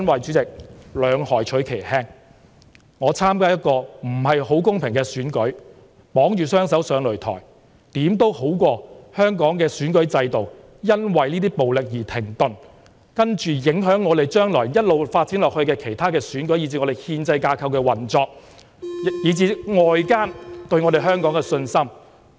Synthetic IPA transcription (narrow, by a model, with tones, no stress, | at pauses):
nwɐ˨jt͡ʃyː˨˥t͡sɪ˨k̚lœː˨˧˥ŋhɔː˨˩jt͡ʃʰɵ˨˥jkʰe˨˩jhɛː˥ŋ | ŋɔː˨˧t͡sʰaː˥mkaː˥jɐ˥t̚kɔː˧m̩˨˩ɦɐ˨jho˨˥wkʊ˥ŋpʰɪ˨˩ŋkɛː˧syː˨˥nkɵ˨˥ɥ | pɔː˨˥ŋjyː˨˩sœː˥ŋsɐ˨˥wsœː˨˧ŋlɵ˨˩ɥt̪ʰɔ̰ː˨˩j | t̪iː˨˥mt̪o˥who˨˥wkʷɔː˧hœː˥ŋkɔː˨˥ŋkɛː˧syː˨˥nkɵ˨˥ɥt͡sɐ˧jt̪o˨w | jɐ˥nwɐ˨jniː˥t̪̬iː˥po˨wlɪ˨k̚jiː˨˩t̪ʰɪ˨˩ŋt̪ɵ˨n | kɐ˥nt͡ʃyː˨jɪ˨˥ŋɦœː˨˥ŋːɔː˨˧t̪e˨˩jt͡ʃœː˥ŋlɔː˨˩jjɐ˥t̚lo˨wfaː˧t̚t͡siː˨˥nlɔː˨k̚hɵ˧ɥkɛː˧kʰe˨˩jt̪ʰaː˥kɛː˧syː˨˥nkɵ˨˥ɥjiː˨˧t͡s̬iː˧ŋɔː˨˧e˨jhiː˧nt͡sɐ˧jkaː˧kʰɐ˧wkɛː˧wɐ˨˩nt͡sɔː˧k̚ | jiː˨˧t͡siː˧ŋɔː˨jkaː˥nt̪ɵ˧ɥŋɔ˨˧de˨jɦœː˥ŋkɔː˨˥ŋkɛ˧sɵ˧nsɐ˥m